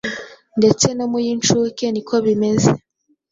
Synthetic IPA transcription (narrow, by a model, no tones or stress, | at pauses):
nde̞t͡seno̞mujiːnt͡ʃukenikʰoβimeze